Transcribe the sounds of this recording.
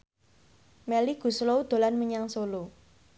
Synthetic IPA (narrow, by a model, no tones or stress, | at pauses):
mɛliɡ̥ṳsloud̪̥o̤lanməɲaŋsolo